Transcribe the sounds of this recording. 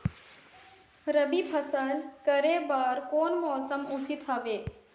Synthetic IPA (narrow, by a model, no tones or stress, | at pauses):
ɾəbipʰəsənkəɾebaːɾkoːnmɔːsəmut͡ʃit̪ɦɐʋeː